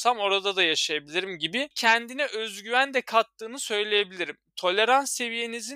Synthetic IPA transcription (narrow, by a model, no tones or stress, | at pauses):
samo̞ɾad̪ad̪ajaʃajabilʲiɾimɟibicʰænd̪inɛʔøzɟyvænd̪ɛkʰat̪ːɯːnɯsø̞jlʲeje̞bilʲiɾimt̪ʰo̞lʲe̞ɾansːe̞vije̞nizi